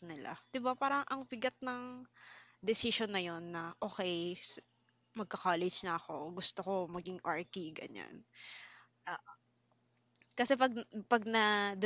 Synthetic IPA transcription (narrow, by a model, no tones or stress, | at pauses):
nɪla̰d̪̥ɪbapaːɾɐŋʔɐŋpɪɡɐt̪̚nɐŋ | d̪ɛsɪʃonːɐjonːɐʔo̞ːxɛjs | mɐɡ̚kɐkaːlɛd͡ʒnɐʔɐko̞ɡʊst̪oko̞mɐɡɪŋʔaɹkiɡɐ̰ɲa̰n | a | kɐsɛpɐɡ̚pɐɡ̚nɐd̪